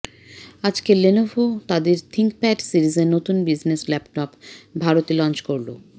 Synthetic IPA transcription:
ad͡ʑkelenofot̪ad̪eɾt̪ʰiŋkpɛʈsiɾizeɾnot̪unbid͡ʑneslɛpʈɔpbʱaɾot̪ilɔnt͡ɕkoɾlo

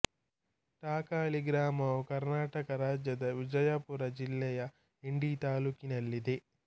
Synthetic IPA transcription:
ʈaːkaːliɡɾaːmɐːkɐɾnaːʈɐkɐɾaːd͡ʒjɐd̪ɐʋid͡ʒɐjaːpuɾɐd͡ʒilːɛːjɐ | iɳɖiːt̪aːluːkinɐlːid̪i

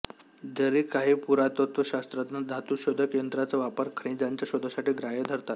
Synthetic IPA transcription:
d͡zəɾiːkaɦiːpuɾat̪ot̪ʋəɕast̪ɾat̪nad̪ʱat̪uɕod̪ʱəkjənd̪ɾat͡səʋapəɾkʰɾẽd͡zaɲt͡ɕjaɕod̪ʱasaʈiːɡɾajəd̪ʱəɾt̪at̪

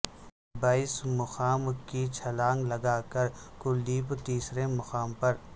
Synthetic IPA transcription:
baːɪsmʊxaːmkit͡ʃʰɐlaːŋɡlɐɡaːkəɾkʊld̪iːpt̪iːsɾemɐxaːmpɐɾ

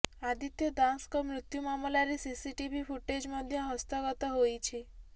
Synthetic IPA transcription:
ad̪it̪jɔd̪ãnskɔmɾʊt̪jumamlaɾisisiʈibifuʈed͡ʒmɔd̪ʱjɔɦəst̪ɔɡɔt̪ɔɦojt͡ʃʰe

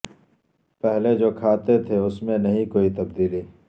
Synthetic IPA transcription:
pɛɦled͡ʒoːkʰaːt̪et̪ʰeʊsmẽnɐɦĩkoːit̪ɐbd̪iːli

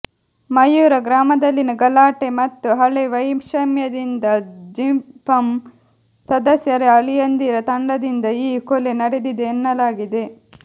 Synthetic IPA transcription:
mɐjːuːɾɐɡɾaːmɐd̪ɐlːinɐɡɐlaːʈe̞mɐt̪ːuɦɐɭeʋɐjmʃɐmjɐd̪ind̪ɐd͡ʒimpɐm | sɐd̪ɐsjɐɾeɐɭijɐnd̪iɾɐt̪ɐɳɖɐd̪ind̪ɐiːkole̞nɐɽed̪id̪eːnːɐlaːɡid̪e̞

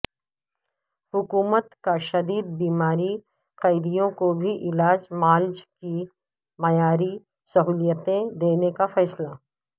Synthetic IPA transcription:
hʊkuːmət̪kaʃɐd̪iːd̪̚biːmaːɾi | qɐɪd̪ijõkobʱiʔɪlaːd͡ʒmaːld͡ʒki | mɐjaːɾi | sɐɦuːlijət̪ẽd̪eːnekafɛːsla

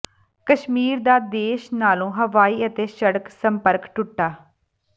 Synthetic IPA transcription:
kəʃmiːɾd̪aːd̪eːʃnaːlõːɦəʋaːiːət̪eːʃəɽəksəmpəɾkʈʊʈːaː

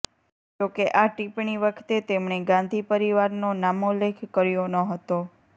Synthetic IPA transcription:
d͡ʒokeʔaʈipɳiʋəkʰt̪et̪emɳeɡãnd̪ʱipəɾiʋaɾnonamolekʰkəɾjonəɦət̪o

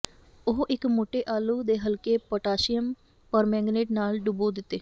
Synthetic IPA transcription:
ʊɦʔɪkmoːʈeːʔaːluːd̪eːɦəlkeːpəʈaːʃijəm | pəɾmɛ̃ːŋɡneːʈnaːlɖʊboːd̪ɪt̪ːeː

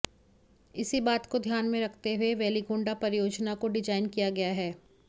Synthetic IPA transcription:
ɪsibaːt̪kod̪ʱjaːnmẽɾɐkʰt̪eɦueʋɛːliɡʊ̃ːɳɖapɐɾɪjoːd͡ʒnakoɖɪd͡ʒaːɪnkijaɡɐjaɦɛː

